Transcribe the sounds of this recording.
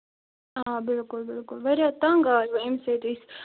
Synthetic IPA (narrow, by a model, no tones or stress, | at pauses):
aːbɪlkʊlbɪlkʊlʋɐɾat̪ɐŋɡaːɾʋɐĩmset̪is